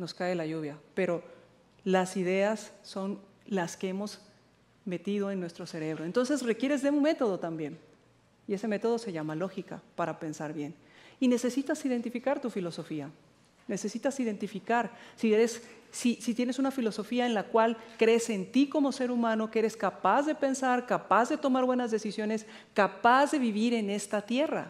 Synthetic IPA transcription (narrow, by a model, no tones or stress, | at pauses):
no̞skae̞laʝuβ̞jape̞ɾo̞ | lasið̞e̞asːo̞n | laske̞emo̞z | me̞t̪ið̞o̞e̞nːwe̞st̪ɾo̞se̞ɾe̞β̞ɾo̞e̞nt̪o̞ns̬e̞sre̞kje̞ɾe̞zðeũme̞t̪o̞ð̞o̞t̪ambje̞n | ie̞se̞me̞t̪o̞ð̞o̞se̞ʝamalo̞xika̰paɾape̞nsaɾβje̞n | ine̞se̞sit̪asiðe̞nt̪ifikaɾt̪ufilo̞so̞fia | ne̞se̞sit̪asið̞e̞nt̪ifikaɾsieɾesːisit̪je̞ne̞sunafilo̞so̞fiaenlakwalkɾe̞seːnt̪iko̞mo̞se̞ɾumãno̞keeɾe̞skapazðe̞pe̞nsaɾkapazðe̞t̪o̞maɾβwe̞nazðe̞sisjo̞ne̞s | kapazðe̞βiβ̞iɾe̞ne̞st̪at̪je̞ra̰